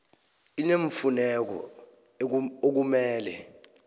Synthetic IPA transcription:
ineɱfunɛk̬ɔ̰ | ok̬umɛːlɛ̰

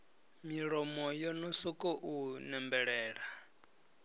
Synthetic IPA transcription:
miɺɔmɔjɔnɔsɔkʼɔʔunɛmbɛɺɛːɺa

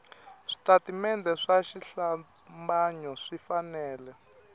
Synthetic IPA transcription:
ʂi̥tatimɛndɛʂaʃiɬa | mbaɲɔʂifanɛːlɛ

